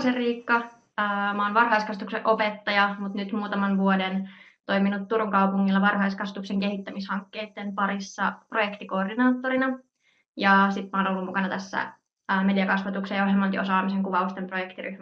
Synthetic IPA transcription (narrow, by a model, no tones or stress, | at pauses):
seriːkːɑ | əːmɑːnʋɑrɦɑiskɑst̪uksḛʔopet̪ːɑjɑmut̪nyt̪muːt̪ɑmɑnʋuoden | t̪o̞iminut̪ːuɾuŋkɑupuŋːilːɑʋɑrhɑiskɑst̪ukseŋkehit̪ːæmishɑŋkːeːt̪ːempɑɾisːɑ̰projekt̪iko̞ːrdinɑːt̪ːoɾinɑ | jɑsit̪mɑːnolːumukɑnɑt̪æsːæ̰ | əːme̞diɑkɑsʋɑt̪uksejɑoɦemːɑnt̪io̞sɑːmiseŋkuʋɑust̪emprojekt̪iɾyhmæ